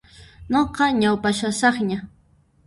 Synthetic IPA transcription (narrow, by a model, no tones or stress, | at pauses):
noqɑɲawpaʃasɑχɲa